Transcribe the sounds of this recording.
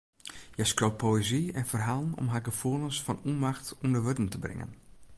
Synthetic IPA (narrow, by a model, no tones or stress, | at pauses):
jɛskrowp̚pʰoweziɛnfərɦaːlˠənɔ̰mɦaɡəfuːlˠənsfɔnunmaxtundəʋødən̩təbrɪ̰ŋə̰n